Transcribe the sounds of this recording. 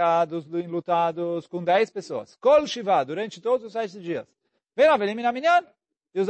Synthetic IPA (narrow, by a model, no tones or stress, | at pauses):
ad̪ʊsẽlut̪ad̪ʊskõd̪ɛjspesoɐ̰skolʃivad̪uɾɐ̃nt͡ʃɪt̪od̪ʊzʊsɛsɪd͡ʒiɐs | vẽj̃naveliminamĩnɐ̃n | ɪʊz